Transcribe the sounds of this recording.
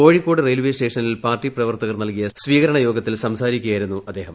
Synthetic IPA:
o̞ːɻikːo̞ːɽɨrejlʋesʈe̞ːʂɐnilpaːrʈːiprɐʋɐrt̪ɐɣɐrnɐlkijɐsʋiːɣɐɾɐɳɐjo̞ːɡɐt̪ːilsɐmsaːɾikʲːujaːjiɾunːuʔɐd̪ːe̞ːɦɐm

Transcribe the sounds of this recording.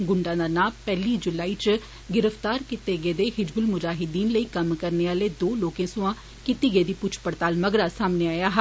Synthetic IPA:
ɡʊɳɖãːd̪aːnaːmpɛːliːd͡ʒʊlaːiːt͡ʃ | ɡɪɾəfʰt̪aːɾkit̪eːɡeːd̪eːɦɪd͡ʒbʊlmʊd͡ʒaːɦɪd̪iːnləiːkəmkəɾneːaːleːd̪oːloːkẽːsʊãː | kit̪iːɡeːd̪iːpʊt͡ʃʰpəɽt̪aːlməɡɾaːsaːmneːaːjaːɦ

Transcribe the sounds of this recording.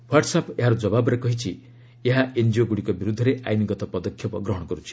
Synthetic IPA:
waʈsapeɦaɾud͡ʒɔbabɔɾekɔɦit͡ʃʰi | eɦaʔend͡ʒioɡuɽikɔbiɾud̪ʱːɔɾeʔa̰jniɡɔt̪ɔpɔd̪ɔkʰːjɔpɔɡɾɔɦɔɽɔkɔɾut͡ʃʰi̥

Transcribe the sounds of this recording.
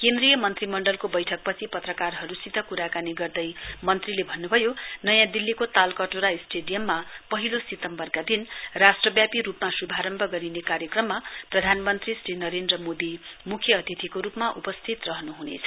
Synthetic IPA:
kend̪rɾijʌmʌnt̪rimʌɳɖʌlkobʌjʈʰʌk̚pʌt͡sʰipʌt̪rʌkarɦʌɾusid̪ʌkuɾakaniɡʌrd̪ʌjmʌnt̪rilebʱʌnːubʱʌjonʌjãd̪ilːikot̪alkʌʈoɾaisʈeɖijʌmːapʌɦilosit̪ʌmbʌrkad̪inrasʈrʌbjapiɾupmasubʱaɾʌmbʱʌɡʌɾinekaɾjʌkrʌmːaprʌd̪ʱanmʌnt̪risrinʌɾend̪rʌmod̪imukʰːjʌːt̪it̪ʰikoɾupmaʔupʌst̪ʰit̪rʌɦʌnuɦunḛt͡sʰʌ̥

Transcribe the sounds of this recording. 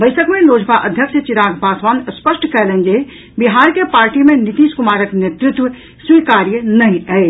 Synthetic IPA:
bəɪsəkmeloːd͡ʒpaʔəd̪ʱjəkʃət͡ʃiɾaɡbaːsʋaːnspəʃʈkɛlend͡ʒe | biɦaːɾkepaːɾʈimenit̪iːskumaːɾəknet̪ɾut̪ʋə | swikaːɾjənəɦĩɛ

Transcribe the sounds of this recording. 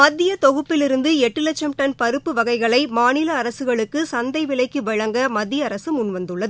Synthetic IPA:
mɐd̪ːɪjɐt̪ɔɣɯpːɪlɪɾɯnd̪ɯɛʈːɯlɐt͡ʃːɐmʈɐnpɐɾɯpːɯʋɐɣɐɪɣɐɭɐɪmaːnɪlɐːɾɐsɯɣɐɭɯkːɯsɐnd̪ɐɪʋɪlɐɪkːɯʋɐɻɐŋɡɐmɐd̪ːɪjɐɐɾɐsɯmʊnʋɐnd̪ɯɭːɐðɯ

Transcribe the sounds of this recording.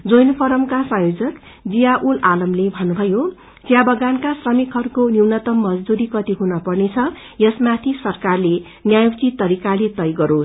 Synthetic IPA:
d͡zojnpʰʌɾʌmkasʌ̃jod͡zʌk | d͡zijaʔulalʌmlebʱʌnːubʱʌjo | t͡sjabʌɡankasrʌmikʰɦʌrukoniwnʌt̪ʌmːʌd͡zd̪uɾikʌt̪iɦunʌpʌrnet͡sʰʌ | jʌsmat̪ʰisʌrkarle | njajukt͡sit̪ːʌɾikalet̪ʌjɡʌɾo

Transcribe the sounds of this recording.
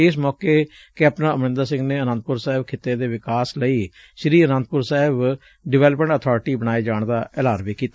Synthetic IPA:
ɪs̬mɔːkeː | keəpnãːəmɾɪ̃nd̪aːsɪ̃ŋɡneːənə̃nt̪̚pʊɾsaːɪbkʰɪt̪ːeːd̪eːʋɪkaːsləiː | ʃɾiːənə̃nt̪̚pʊɾsaːɦɪb | ɖɪʋɛːləpmə̃ɳʈət̪ʰɔːɾʈiːbənaːeːd͡ʒaːɳd̪aːɛlaːɾʋeːkiːt̪a

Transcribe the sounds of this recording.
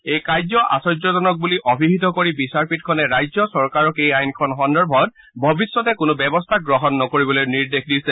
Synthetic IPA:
ejkajzɔʔa̰sɔzɔzɔnɔk̚buliʔɔbʱibʱitɔkoɹibisaɹpitkʰɔnɛɹajzɔsɔɹkaɹɔkejajnkʰɔnxɔndɔɹbʱɔt̚ | bʱɔbisːɔtɛkʊnʊbɛbɔstʰaɡɹɔɦɔnːɔkoɹibɔlojniɹdexdisɛ

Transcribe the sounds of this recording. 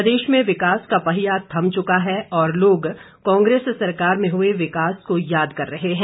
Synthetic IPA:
d̪eːʃmẽʋɪkaːskapɐɦɪjat̪ʰːɐ̃mt͡ʃʊkaɦɛɔːɾloːɡ | kɔ̃ːŋɡɾeːssɐɾkaːɾmẽɦʊeʋɪkaːskojaːd̪kɐɾːɐɦeɦɛ̃ː

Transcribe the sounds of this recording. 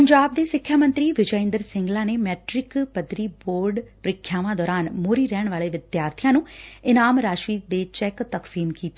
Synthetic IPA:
pəɲd͡ʒaːb̚d̪eːsɪkʰːjaːmə̃nt̪ɾiːʋɪd͡ʒəɪ̃nd̪əɾsɪ̃ŋɡlãːneːmɛːʈɾɪkpəd̪ɾiːboːɾɖpɾɪkʰːjaːʋãːd̪ɔːɾaːnmoːɾiːɾɛːɳ̃ʋaːleːʋɪd̪jaːɾt̪ʰɪjãːnũːɪnaːmɾaːʃɾiːd̪eːt͡ʃɛːkt̪əksiːmkiːt̪eː

